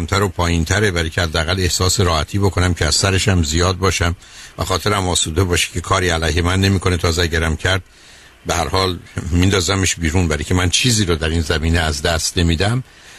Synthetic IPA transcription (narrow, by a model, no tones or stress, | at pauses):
æmt̪ʰæɾopʰɒːjint̪ʰæɾe̞bæɾicʰehæd̪ːeæɣæle̞hsɒːseɾɒːhæt̪ʰiːbo̞kʰo̞næmcʰeæz̥sæɾe̞ʃæmzijɒːd̪̚bɒːʃæm | væxɒːt̪ʰe̞ɾæmɒːsuːd̪ebɒːʃi̥cʰe̞kʰɒːɾiːælæjɦemænːe̞miːkʰo̞ne̞t̪ʰɒːzeæɟæɾæmcʰæɾd̪̥̚ | behæɾhɒːlmind̪ɒːzæmeʃbiːɾuːnbæɾicʰemænt͡ʃʰiːziːɾod̪æɾiːnzæmiːneæzd̪æst̪ne̞miːd̪æm